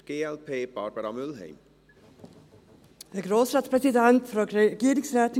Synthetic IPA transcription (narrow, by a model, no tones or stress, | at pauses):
ɡ̥eːɛlpʰeːb̥aɾbaɾamʏlɦḛjm | ðəɡɾoːsɾat̪spʰɾɛsɪd̪ɛnt̪fɾɔɡiːɾɪŋsɾɛːt̪ɪ